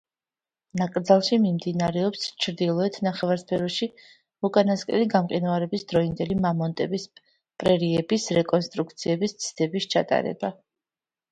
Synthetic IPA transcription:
nakʼɾd̪zalˠʃimimd̪inaɾɛɔpst͡ʃʰɾd̪ilˠɔɛt̪ʰnaχɛvaɾspʰɛɾɔʃi | ɾukʼanaskʼɛ̰liɡamqʼinuaɾɛbisd̪ɾɔind̪ɛlimamɔnt̪ʼɛbis | pʼɾɛɾiɛbisɾɛkʼɔnst̪ʼɾuk̚ʰt̪sʰiɛbist̪sʰd̪̥ɛbist͡ʃʰa̰t̪ʼa̰ɾɛ̰ba

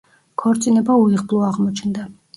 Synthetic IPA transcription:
kʰɔɾt̪sʼinɛbauiʁblˠuaʁmɔt͡ʃʰnd̪a

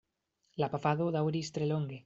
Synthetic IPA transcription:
lapafaðoðawɾist̪ɾeloŋɡe

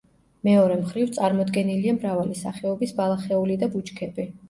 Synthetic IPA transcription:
mɛɔɾɛmχɾivt̪sʼaɾmɔd̪ɡɛniliamɾavalisa̰χɛɔbisbalˠaχɛulid̪abut͡ʃkʰɛbi

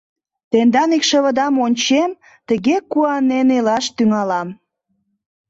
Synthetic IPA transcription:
t̪end̪ɑnikʃə̆βə̆d̪ɑmonʲt͡ɕem | t̪əɣekuɑnenelɑʃt̪yŋɑlɑm

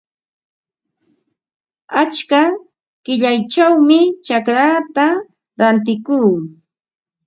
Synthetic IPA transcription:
at͡ʃka | kɪʎajt͡ʃawmɪt͡ʃakɾaːt̪a | ɾant̪ɪkuː

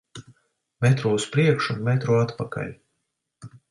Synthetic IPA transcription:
mɛt̪ɾuːuspɾiɛkʃunmɛt̪ɾuat̪paka̰lʲ

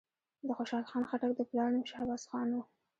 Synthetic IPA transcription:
d̪əxoʃɑlxɑnxaʈak̚d̪əplɑɽnəmʃahabɑsxɑnwu

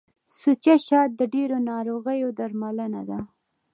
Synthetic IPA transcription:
sut͡ʃaʃɑt̪̚d̪əɖeɾonɑɾoɣəjod̪aɾmalənad̪a

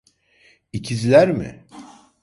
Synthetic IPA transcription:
icʰizlʲæɾmɪ̰

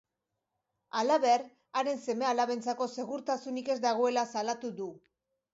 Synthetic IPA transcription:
alaβe̞ɾ | aɾe̞nse̞me̞alaβe̞nt͡sako̞se̞ɣuɾt̪asunike̞zd̪aɣ̞o̞e̞lasalat̪uðu

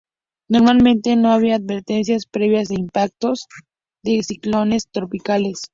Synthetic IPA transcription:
no̞ɾmalmẽnt̪eno̞aβiaːd̪βe̞ɾt̪e̞ns̬jaspɾe̞βjazðeimpak̚t̪o̞z | ðe̞siklo̞ne̞st̪ɾo̞pikale̞s

